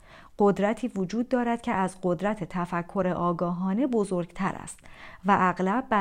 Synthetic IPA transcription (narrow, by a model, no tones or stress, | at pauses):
ɢ̥o̞d̪ɾæt̪ʰiːvod͡ʒuːd̪ːɒːɾæd̪̥̚cʰe̞æzɢo̞d̪ɾæt̪ʰet̪ʰæfækʰːo̞ɾeʔɒːɡɒːɦɒːne̞bo̞zoːɾɡ̥t̪ʰæɾæ̰st̪væʔæɣlæbːæ